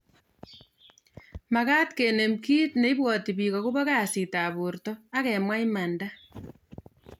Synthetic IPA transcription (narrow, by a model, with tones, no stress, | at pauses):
ma˨ka˦tke˨ne˨mki˦tne˨˦i˦bwɔ˨ti˨bi˨ɣɔ˨ku˦bɔ˦ka˨si˨ta˨βu˨rtɔ˦a˦kɛ˨mwa˦jma˨nda˦